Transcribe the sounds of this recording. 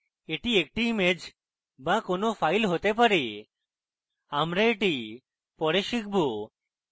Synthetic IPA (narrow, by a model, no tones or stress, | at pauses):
eʈiek̚ʈiːmed͡ʒ | bakonofʰajlɦot̪ep̬aɾe | amɾaeʈi | pɔɽeʃik̚bo